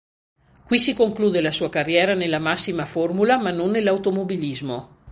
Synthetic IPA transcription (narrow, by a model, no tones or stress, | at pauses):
kwisikoŋkluːd̪elasuːakarːjɛːɾanelːamasːimaformulamanːonːelːawt̪omobilizmo